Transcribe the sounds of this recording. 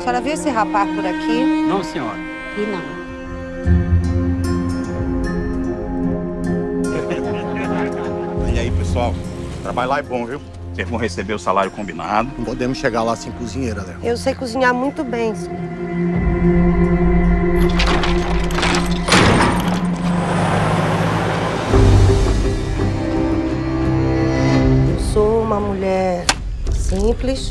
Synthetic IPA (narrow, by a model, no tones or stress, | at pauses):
sɔɾɐviesɪɦapaspʊɾakʰinɐ̃w̃sĩɲɔɾɐ | kinɐ̃w̃ | iaipesuawt̪ɾabaʎjlaɛbõviw | seɾvõw̃ɦesebeɾʊsalaɾjʊkõmbinad̪ʊpod̪ẽmʊsʃʃeɡaɾlasĩkuzĩɲejɾʊalɛwewsejkuzĩɲaɾmũj̃t̪ʊbẽj̃si | ɛewsoũmɐmuʎɛɾ | sĩplis